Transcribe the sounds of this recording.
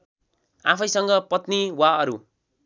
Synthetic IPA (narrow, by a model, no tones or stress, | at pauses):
a̰pʰʌjsʌŋɡʌpʌt̪niwaʌɾu